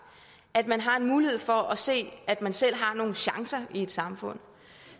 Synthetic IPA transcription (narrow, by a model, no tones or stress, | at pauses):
æd̥mænɦɑ̈e̝nmuːlihe̝ð̞̰ˠfɒ̽ʔæse̝̰ːæd̥mænsel̰ɦɑ̈no̝ːn̩ɕɑ̈ŋsɐie̝d̥sɑ̈mfɔ̽n̰